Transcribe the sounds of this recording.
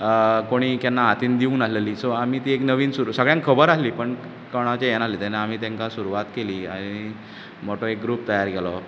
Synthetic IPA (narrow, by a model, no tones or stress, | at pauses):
koɽ̃iːkjanːaɦat̪iːnd̪iuːnəsleliːsoamiːt̪iːeknəʋiːnsuɾusəɡɭjãŋkkʰəbəɾaɦliːpəɳ | kəɽ̃at͡ɕajɛnaɦliːt̪ɛnaam̤iːt̪ãŋkasuɾuʋat̪keliːaɽ̃i | moʈoek̚ɡɾuːp̚t̪əjaɾɡʱɛlɔ